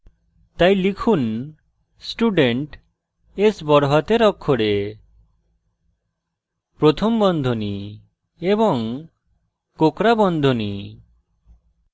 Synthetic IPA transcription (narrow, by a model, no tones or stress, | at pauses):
t̪aj̃likʰun | sʈuɖeɳʈ | esbɔɾɦat̪eɾɔkʰːoɽe | pɾot̪ʰɔmbɔnd̪ʱoni | ebɔŋ | kokɾabɔnd̪ʱoni